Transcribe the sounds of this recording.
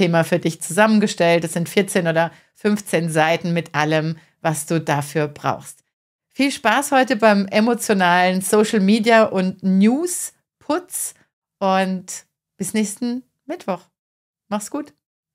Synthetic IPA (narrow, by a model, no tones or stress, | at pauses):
eːmafyːɐdɪçt͡suzamənɡəʃtɛltɛsz̥ɪntfɪɐt͡seːnʔoːɾɐ | fʏnft͡seːnzaɪtn̩mɪtʔaləm | vasd̥uːdafyːɐbʁa̰ʊxst | fiːlʃpaːshɔʏtəbaɪmʔemot͡sjonaːlənsoːʃl̩miːdjaʔʊntnjuːs | pʰʊt͡s | ʔʊnt | b̥ɪsnɛːçstn̩ | mɪtv̥ɔχ | maχsɡ̥uːt